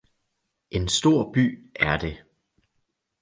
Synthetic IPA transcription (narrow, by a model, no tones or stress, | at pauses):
ʔe̝nsd̥o̝ɐ̰b̥y̰ːæɐd̥e̝